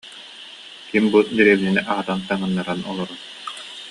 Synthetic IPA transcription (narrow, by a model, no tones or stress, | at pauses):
kimbud̪iɾɛbininɛʔaʁat̪ant̪aŋɯnːaɾanɔlˠɔɾɔ